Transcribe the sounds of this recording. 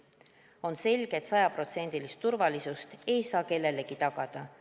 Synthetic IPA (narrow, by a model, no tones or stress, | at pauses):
o̞nse̞lʲɡ̥e̞t̪sɑjɑpro̞t̪se̞nʲd̪̥ilist̪ːurvɑlisust̪e̞jsɑːke̞lːe̞leɡ̥it̪ɑɡ̥ɑd̪̥ɑ